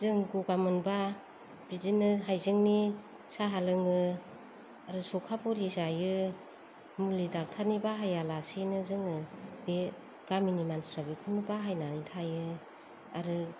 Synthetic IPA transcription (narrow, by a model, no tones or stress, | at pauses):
zɯŋɡuɡamɯnba | b̥idinɯɦajzɯŋni | saɦalɯŋɯ | aɾɯsɔkʰapʰɔɾizajɯ | mulidak̚tʰanibaɦajalasinɯzɯŋɯbe | ɡ̥aminimansɾabikʰunubaɦajnanitʰajɯ | aɾɯ